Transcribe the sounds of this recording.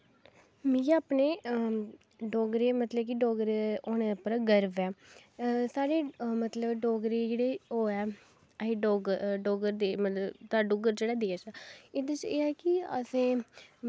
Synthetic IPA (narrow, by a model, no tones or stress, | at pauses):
mĩːaːpneː | ɖɔːɡɾeːmət̪ləb̚kiɖɔːɡɾeoːneːpəɾɡəɾʋɛː | saːɽeːmət̪ləbɖɔːɡɾeːd͡ʒeːɽeːoːɛː | əɦiːɖɔːɡɖɔːɡəɾd̪eːmət̪ləbt̪aːɖoːɡəɾd͡ʒeːɽaːd̪eːʃaːeːd̪ət͡ʃeːɛːkɪə̰sẽː